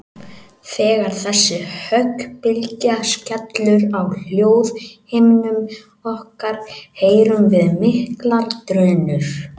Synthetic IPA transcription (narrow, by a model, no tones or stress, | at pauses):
θɛːɣaɾ̥θɛsːɪhœkpɪlcascat̪lʏɾawl̥joːwðhɪjmnʏm | ɔhkaɾ̥heːjɾʏmvɪðmɪhklaɾt̪ɾœːnʏɾ̥